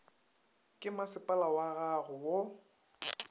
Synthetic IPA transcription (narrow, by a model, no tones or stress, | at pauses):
kʼɪmasɪpʼalawaɣaɣʊwo